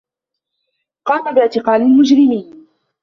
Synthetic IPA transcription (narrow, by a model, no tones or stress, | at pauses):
qɑːmabɪʔt̪ɪqɑːlɪlmʊd͡ʒɾɪmiːn